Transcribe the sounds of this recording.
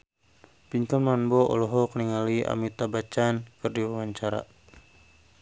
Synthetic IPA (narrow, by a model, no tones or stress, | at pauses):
piɲkɔnmanbɔɔ̰lɔɦɔkəniŋalia̰mit̪abat͡ʃankɨrdiwawaɲt͡ʃaɾa̰